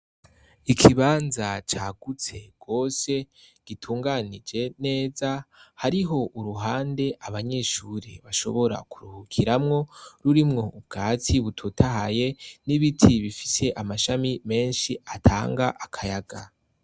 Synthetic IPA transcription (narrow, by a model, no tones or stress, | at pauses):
ikʰiβaːnzat͡ʃaːɡ̥ut͡se̞ɡ̥o̞ːse̞ɡ̥itʰuːŋɡanid͡ʒe̞ne̞ːzahaɾiɦo̞ʔuɾuɦaːnde̞ʔaβaɲe̞ʃuːɾḭβaʃo̞̰βo̞ɾa̰kuɾuhukʰiɾamŋo̞ɾuɾimŋo̞ubɡaːt͡siβutʰutʰaɦaje̞niβitʰiβifi̥se̞ʔamaʃamime̞ːnʃiatʰa̰ːŋɡaʔakʰajaɡa